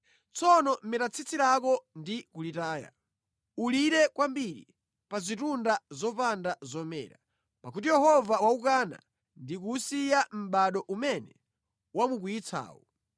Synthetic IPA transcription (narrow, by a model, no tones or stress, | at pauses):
t͡sʰɔnɔm̩mɛtat͡sʰit͡sʰiɾakɔndikulitaːja̰ | uliɾɛkwambiɾḭ | pazitundazɔpandazɔmɛ̰ːɾa | pakutijɛhɔvawaukana̰ | ndikusijam̩ɓaɗɔʔumɛnɛ | wamuk̬uit͡sʰa̰ːwɔ̰